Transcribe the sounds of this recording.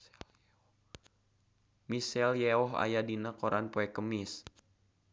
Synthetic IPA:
misɛljɛɔɦa̰jadinakoɾʔanpoɛkəmis

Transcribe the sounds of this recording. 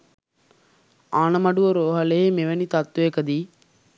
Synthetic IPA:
aːnəmɐɖuʋɐɾoːɦɐleemeʋɐnit̪ɐt̪ːʋekəd̪iː

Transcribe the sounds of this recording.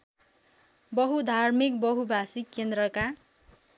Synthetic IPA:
bʌɦud̪ʱarmik̚bʌɦubʱasikːend̪ɾʌka

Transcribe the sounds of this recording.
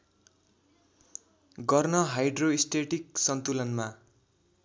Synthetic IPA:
ɡʌrnʌɦajɖroisʈeʈiksʌnt̪ulʌnma

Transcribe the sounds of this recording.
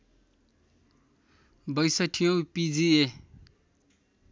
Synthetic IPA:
bʌjsʌʈʰijõpid͡zie

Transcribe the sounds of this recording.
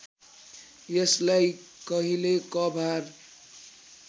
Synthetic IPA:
jeslaj | kʌɦilekʌbʱaɾ

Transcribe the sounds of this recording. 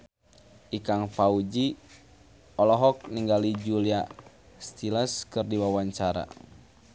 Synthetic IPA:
ʔikaŋfaud͡ʒi | ɔlɔɦɔk̚niŋɡalid͡ʒulia | st̪iləskɨrdiwawaɲt͡ʃaɾa̰

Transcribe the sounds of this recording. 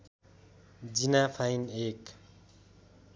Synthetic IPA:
d͡zinapʰajnek

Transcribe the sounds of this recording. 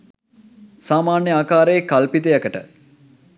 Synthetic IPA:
saːmaːnjəaːkaːɾejːkalpit̪̬ejəkəʈə̰

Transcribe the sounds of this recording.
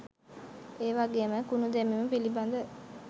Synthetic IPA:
eːʋaɡeːməkunud̪emimupiliband̪ə

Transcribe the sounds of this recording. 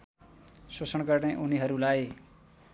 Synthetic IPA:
sosʌnɡʌrneʔuniɦʌɾulaj

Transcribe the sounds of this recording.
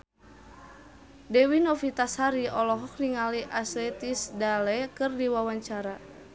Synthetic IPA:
dɛwinɔfit̪ashaɾiɔlɔɦɔk̚niŋaliʔasɛt̪isdalɛkɨrdiwawaɲt͡ʃaɾa

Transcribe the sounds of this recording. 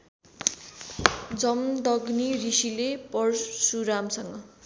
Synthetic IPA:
d͡zʌmd̪ʌɡnirisilepʌrsuɾamsʌŋɡʌ

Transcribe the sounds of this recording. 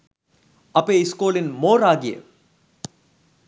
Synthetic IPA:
ɐpeːɪskoːlinmoːɾaːɡijḛ

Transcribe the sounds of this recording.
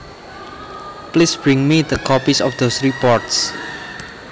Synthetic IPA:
plisb̥ɹɪ̃ŋmid̪əkʰɔpisɔfd̪osɹipɔɹts

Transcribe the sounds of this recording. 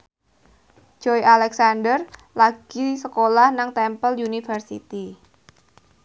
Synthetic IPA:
d͡ʒ̥ɔjʔalɛksandər | laɡ̥isəkolahnaŋt̪ɛmpəljunifərsḭt̪i

